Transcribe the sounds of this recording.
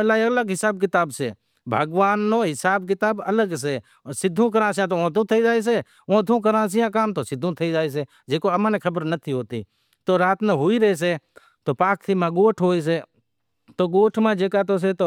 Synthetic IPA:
əlaːələɡɦɪsaːb̚kɪt̪aːbseː | bʱəɡʋaːnːoːɦɪsaːbkɪt̪aːbələɡs̬eː | sɪd̪ʱːũːk̬əɾãːs̬jãːt̪oõːt̪̬ũːt̪ʰəid͡ʒaːis̬eː | õːd̪ʰʱũːk̬əɾãːs̬ijãːkaːmt̪oːsɪd̪ʱːũt̪ʰəid͡ʒaːis̬eː | d͡ʒeːkoəmãːnẽkʰəbəɾnət̪ʰiːɦoːt̪ḭː | t̪oːɾaːt̪neɦʊiːɾəɦeːs̬e | t̪oːpaːk̚t̪ʰiːmãːɡoːʈʰɦoːiːs̬eː | t̪oːɡoːʈʰmãːd͡ʒeːkaːt̪oːs̬et̪oː

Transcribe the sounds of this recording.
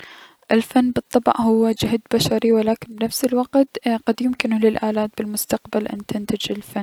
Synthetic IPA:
ʔɪlfanːbɨt̪ˤːɑbʔhʊwːad͡ʒɪɦd̪baʃaɾiwɪlaːkɪnbɪnafsɪlwaqt̪qad̪jʊmkɪnʊlɪlʔaːlaːt̪̚bɪlmʊst̪aqbalʔɪ̰nt̪ɪnt̪ad͡ʒɪlfanː

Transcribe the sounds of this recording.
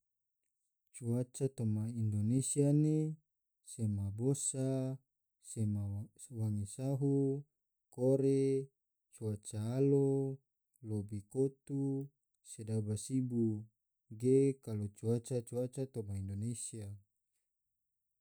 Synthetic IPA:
t͡ʃuat͡ʃat̪omaindonesiane | semabosa | sema | waŋisaɦu | koɾe | t͡ʃuat͡ʃaːlo | lobikot̪u | sedabasibu | ɡekalot͡ʃuat͡ʃat͡ʃuat͡ʃat̪omaindonesia

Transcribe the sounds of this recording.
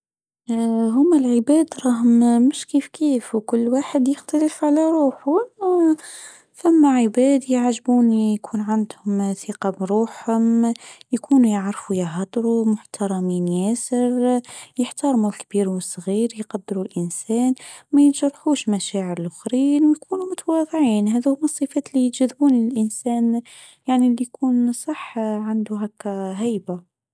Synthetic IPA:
ɦʊmːælʕɪbæːd̪ɾˤɑːɦʊmmʊʃkiːfkiːfwkʊlːwaːħəd̪jəxt̪æləfʕalæɾˤuːħʊ | fæmːaʕɪbæːd̪jaʕʒbuːnjkʰuːnʕand̪hʊmθiqɑbɾˤuːħhʊmjkuːnujaʕɾfujaɦɑd̪ˤɾumʊħt̪ʰɑɾˤɑmiːnjæːsəɾjəħt̪ɑɾˤmulkbiːɾwəsˤːɣiːɾjqɑd̪ːɪɾulʔɪnsæːnmæjt̪ʒɑɾˤːħuːʃmæʃæːʕəɾɪlʔʊxɾiːnwjkʰuːnumʊt̪awɑðˤʕiːnɦæðhʊmɑsˤːifæːt̪lit̪ʒæðːbuːnilɪlʔɪnsæːn | jaʕnilːijkʰuːnsˤɑħʕand̪uɦækːæɦæjba

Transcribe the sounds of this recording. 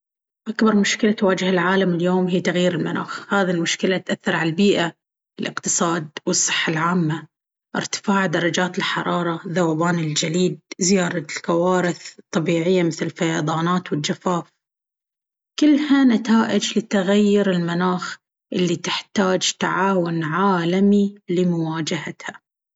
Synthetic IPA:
ʔakbɑɾˤmʊʃkɪlat̪waːd͡ʒɪhalʕaːlamɪljoːmɦiːt̪aɣjiːɾɪlmana̰ːxhaːðilmʊʃkɪlat̪ʔaθːɑɾˤʕalbiːʔa | ɪlʔɪ̰qt̪ɨ̥sˤɑːd̪̚wɨsˤːɨ̥ħːalʕaːmːa | ʔɪ̰ɾt̪ɪ̥faːʕd̪ɑɾˤɑd͡ʒaːt̪ɪlħɑ̰ɾˤɑːɾˤɑðawaːbaːnɪld͡ʒaliːd̪̚zɪjaːɾˤɑkawaːɾɪθt̪ˤːɑbiːʕɪjːamɪθlɪlfajɑðˤɑːnaːt̪wɪld͡ʒafaːf | kɪlːhanat̪aːʔɪd͡ʒlɪt̪aɣajːʊɾɪlmanaːx | ʔɪlːit̪ɪħt̪aːd͡ʒt̪aʕaːwʊnʕaːlamilɪmʊwaːd͡ʒahat̪ha

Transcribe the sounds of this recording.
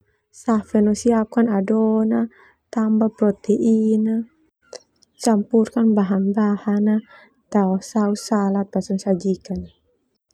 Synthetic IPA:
safɛnɔsiap̚kanadɔna | t̪ambapɾɔt̪eʔina | t͡ʃampurkanbaɦanbahana | t̪aɔsausalat̪̚basɔnsad͡ʒikan

